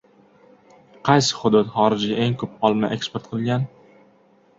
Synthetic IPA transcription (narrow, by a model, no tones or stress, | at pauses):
qʰɑjsɪ̥χʊd̪ʊt̪χɒɾɪd͡ʒʔe̞ŋkʰɵpɒlˠma̰ʔe̞kspeɾt̪̚qʰɨlˠɡʲan